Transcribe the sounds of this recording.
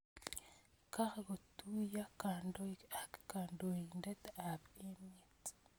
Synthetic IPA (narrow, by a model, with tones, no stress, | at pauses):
ka˦ɡo˨t̪u˦ja˦ka˨ndo˦kakka˨ndo˨i˨nde˦t̪a˨be˦me˦t̪